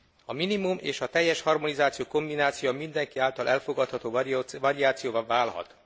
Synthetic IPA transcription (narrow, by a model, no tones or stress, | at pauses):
ɒminimumeːʃɒt̪ɛjːɛʃhɒrmonizaːt̪sijoːko̞mbinaːt̪sijomind̪ɛŋkiaːlt̪ɒlʔɛlfo̞ɡɒt̪hɒt̪oːvɒɾiaːt̪sijoːvɒvaːlhɒ̰t̪